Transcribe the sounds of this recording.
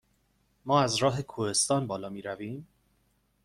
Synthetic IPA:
mɒːæzɾɒːɦe̞kʰuːhe̞st̪ɒːnbɒːlɒːmiːɾæviːm

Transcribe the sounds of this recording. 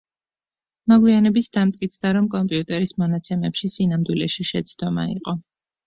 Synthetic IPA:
mɔɡwianɛbisd̪amt̪ʼkʼit̪sʰd̪aɾɔmkʼɔmpʼiut̪ʼɛɾismɔnat̪sʰɛmɛpʃisinamd̪wilɛʃiʃɛt̪sʰd̪̥ɔma̰ḭqʼɔ

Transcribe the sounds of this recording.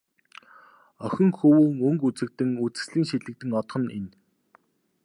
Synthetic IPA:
œxʲɪ̆ŋxɵwɘːŋɵŋkut͡sɘ̆k̚t̪ɘ̆ŋut͡sɘ̥̆sɮiːŋʃit̪ɮɘ̆k̚t̪ɘ̆ŋɔt̪χɞ̆nen

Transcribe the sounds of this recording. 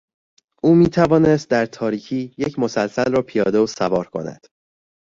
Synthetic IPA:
ʔuːmiːt̪ʰævɒːnest̪̚d̪æɾt̪ʰɒːɾiːcʰiːjecʰmo̞sælsælrɒːpʰijɒːd̪osævɒːɾkʰo̞̰næ̰d̪̥

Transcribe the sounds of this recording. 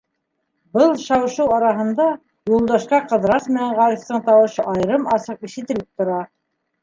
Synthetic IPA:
bɤlˠʃɑwʃɤwɑɾɑɦɤ̆nd̪ɑ | julˠd̪ɑʃqɑqɤ̆ðɾɑsmɘ̆næɴʁɑɾift̪ɤɴt̪ɑwɤ̆ʃɤʔɑjɾɤmɑsɤq̚iʃɘ̆t̪ɘ̆lɘp̚t̪ŏɾɑ

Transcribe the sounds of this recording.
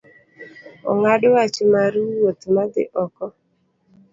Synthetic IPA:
ɔ̰ŋadwat͡ʃmaɾuwot̪mad̪ɪ̰ʔɔkɔ

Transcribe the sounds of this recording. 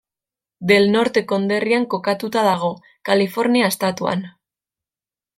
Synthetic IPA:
d̪e̞lno̞ɾt̪e̞ko̞nd̪e̞riaŋko̞kat̪ut̪aðaɣ̞o̞ | kalifo̞ɾniaest̪at̪ua̰n

